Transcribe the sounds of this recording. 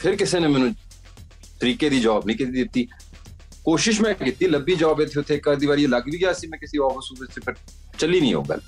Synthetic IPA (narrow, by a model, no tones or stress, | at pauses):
pʰɪɾkɪseːnemɛ̃ːnũː | t̪əɾiːkeːd̪iːd͡ʒɔːbnĩːkit̪iːd̪ɪt̪ːiː | koːʃɪʃ̬mɛ̃ːkiːt̪iːləbiːd͡ʒɔːbet̪ʰːeːʊt̪ʰːeːkːəɾd̪iːβaːɾieləɡʋiːɡjaːəsiːmɛ̃ːkɪsiːɔːfəsuːbɪt͡ʃt͡ʃepʰɪɾ | t͡ʃəliːnḭ̃ːɦo̰ːɡə̰l